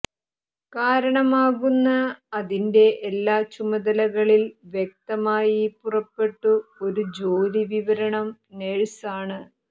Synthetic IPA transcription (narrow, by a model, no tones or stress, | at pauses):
kaːɾɐɳɐmaːɣunːɐːðinde̞ʔːlːaːt͡ɕumɐðɐlɐɣɐɭilʋjek̚t̪ɐmaːjipurɐpːe̞ʈːuo̞ɾud͡ʑo̞ːɾiʋiʋɐɾɐɳɐmneɻsaːɳɨ